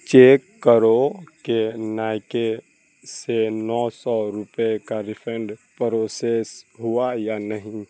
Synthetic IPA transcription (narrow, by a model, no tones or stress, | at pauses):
t͡ʃeːkːəɾokenaːjke | senɔːsɔɾʊpekaɾɪpʰɛɳɖpəɾosesɦʊajanəɦĩ